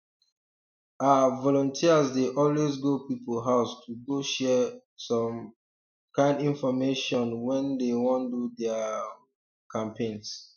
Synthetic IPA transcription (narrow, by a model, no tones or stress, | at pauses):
avɔlɔ̃ntʰiazdeʔɔlwezɡopipolɦaʊstʰuɡoʃɛ | sɔ̃m | kãɪ̃ndĩnfɔmeʃɔ̃nwɛ̃ndewɔ̃ndudɛa | kãmpʰẽns